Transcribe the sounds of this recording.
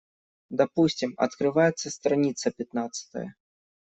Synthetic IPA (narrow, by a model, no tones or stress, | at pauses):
d̪apusʲt͡sʲimɐ̰t̪kɾɨvajɛt̪sːɐst̪ɾanʲit̪sɐpʲat̪nat̪sɐ̥t̪ɐ̰jɐ̰